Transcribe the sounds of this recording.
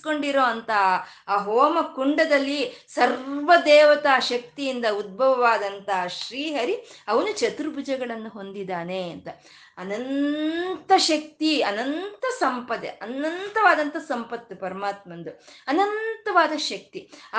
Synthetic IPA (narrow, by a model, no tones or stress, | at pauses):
ko̞ɳɖiɾoːɐnt̪ɐaːɦoːmɐkuɳɖɐd̪ɐlːisɐɾʋɐd̪ɛːʋɐt̪aʃɐk̚t̪ijind̪ɐud̪̚bʱɐʋɐʋaːd̪ɐnt̪ɐʃɾiːɦɐɾiɐʋɐnut͡ʃɐt̪ɾubʱud͡ʒɐɡɐɭɐnːuɦo̞nd̪id̪aːneɐnt̪ɐ | ɐnɐnt̪ɐʃɐk̚t̪iɐnɐnt̪ɐsɐmpɐd̪ḛʔɐnɐnt̪ɐʋaːd̪ɐnt̪ɐsɐmpɐt̪ːɐpɐɾɐmaːt̪̚mɐnd̪uɐnɐnt̪ɐʋaːd̪ɐʃɐk̚t̪i